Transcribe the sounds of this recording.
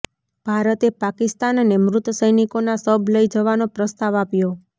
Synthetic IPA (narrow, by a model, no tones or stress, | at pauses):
b̥ʱaɾət̪epakist̪annemɾʊt̪əsəjnikonasəbʱləjd͡ʒəʋanopɾəst̪aʋapjo